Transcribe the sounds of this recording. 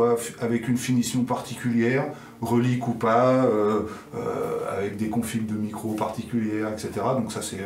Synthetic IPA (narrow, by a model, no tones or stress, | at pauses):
wafavɛkynfinisjɔ̃paʁt̪ikʲyljɛːʁ | ʁəlikupaø | ø̰a̰vɛk̚d̪ekɔ̃fimd̪əmikχopaʁt̪ikʲyljɛʁɛkset̪eʁad̪ɔ̃ksasɛ